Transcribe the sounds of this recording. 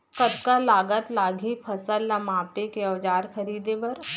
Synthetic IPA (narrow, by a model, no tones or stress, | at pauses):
kɐd̪kalaːɡət̪laːɡʱipʰɐsəlːɐmaːpekeɔːd͡ʒaːɾxɐɾiːd̪ebɐɾ